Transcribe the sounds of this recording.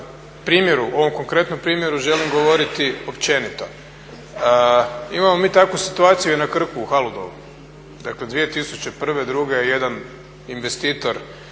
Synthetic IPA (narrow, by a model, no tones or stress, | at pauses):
pɾiːmjeɾuo̞ʋo̞mko̞ŋkɾe̞t̪no̞mpɾiːmje̞ɾuʒe̞limɡo̞ʋo̞ɾit̪iopt͡ɕe̞nit̪o | imamo̞miːt̪akʋusit̪uaːt̪sijuenakr̩kuːxalud̪o̞̰ʋṵ | d̪akle̞d̪ʋijet̪isut͡ɕe̞pr̩ʋe̞d̪ɾuɡe̞je̞d̪an | inʋe̞st̪iːt̪o̞ɾ